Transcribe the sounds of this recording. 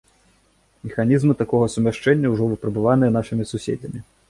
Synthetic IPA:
mʲɛxanʲizmɨt̪akɔɣɐsumʲaʂt͡ʂɛnʲːɐwʐɔvɨpɾɐbɨvan̪ɨjɛnaʂɨmʲisusʲḛd͡zʲɐmʲi

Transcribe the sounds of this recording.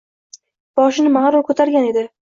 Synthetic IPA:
b̥ɒʃɪnɪmaɾʊkʰɵt̪ʰaɾɡʲane̞d̪ɪ

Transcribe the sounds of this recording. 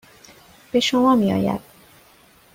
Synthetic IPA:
b̥e̞ʃomɒːmiːɒ̰ːjæ̰d̪̥̚

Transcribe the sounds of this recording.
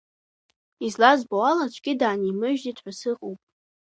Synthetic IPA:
izlazbawalat͡ʃʷʰɡʲɪdaːnimɨʒᶣdidħʷᶣasɨqʼowpʼ

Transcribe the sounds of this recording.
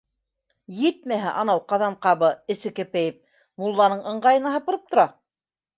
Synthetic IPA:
jɘt̪̚mæɦæʔɑnɑwqɑðɑɴqɑβɤɘ̆sɘ̆kɘ̆pæjɘp̚ | mulˠːɑnɤɴɤ̆ɴɢɑjɤ̆nɑɦɑpɤ̆ɾɤp̚t̪ŏɾɑ

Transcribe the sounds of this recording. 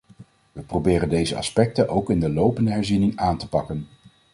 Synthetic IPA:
ʋəprowbɪːrəndejzəɑ̰spɛk̚tənʔowkɪndəlowpəndəɦɛɹzinɪŋaːntə̥pɑkən

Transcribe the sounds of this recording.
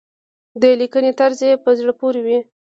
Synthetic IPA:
d̪əlikənet̪aɾzepəzɽəpoɾewi

